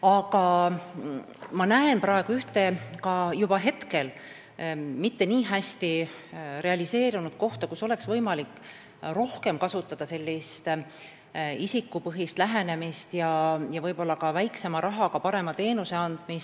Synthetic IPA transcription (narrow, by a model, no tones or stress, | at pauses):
ɑkɑ | mɑnæenpɾɑeɡ̥uyht̪e̞kɑjub̥ɑɦe̞t̪ke̞l | mit̪ːe̞niːɦæsʲt̪i | ɾe̞ɑlʲise̞ːɾunud̪̥̚ko̞ht̪ɑkuso̞le̞ksvɤjmɑlikˑː | ro̞hke̞mkɑsut̪ːˑɑd̪̥ɑse̞lʲːist̪ | isikːˑupɤɦist̪læɦe̞ne̞mist̪jɑjɑvɤjbo̞lːɑkɑvæjkse̞mɑɾʔɑɦɑkɑpɑɾe̞mɑt̪e̞ːnuse̞ɑnd̪̥mis